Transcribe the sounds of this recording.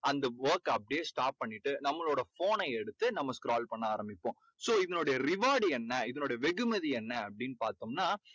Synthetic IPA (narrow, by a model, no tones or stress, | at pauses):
ɐnd̪ɐʋɐːɾkɐpːɐɽɪjesʈaːʈ̚pɐɳːɪʈːɯnɐmːɐɭoːɽɐfoːnɐɪɛɽɯt̪ːɯnɐmːɐskɾaːlpɐɳːɯaːɾɐmbɪpːõː | soːɪðɐnoːɽɐjɐɾɪʋaːɽiɛnːɐɪðɐnoːɽɐjɐʋɛɣɯmɛðiɛnːɐɐpːɐɽɪnːɯpaːɾt̪ɯmnaː